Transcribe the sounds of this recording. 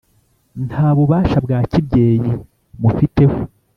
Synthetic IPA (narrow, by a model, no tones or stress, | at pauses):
ntʰhaːβuβaːʃabɡaːcib̚ɟe̞ːji | mufite̞ho